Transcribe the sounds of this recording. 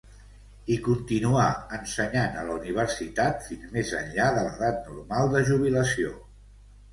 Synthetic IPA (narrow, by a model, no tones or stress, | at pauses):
ikunt̪inuaənsəɲanələuniβ̞əɾsit̪at̪finzmezə̰nʎaðələðat̪̚nuɾmalˠd̪əʒuβ̞iləsio